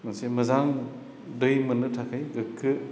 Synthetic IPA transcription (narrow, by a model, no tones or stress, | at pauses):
mɐŋsemɯzaŋ | dɯjmɯnɯtʰakʰɯjɡɯkʰːɯ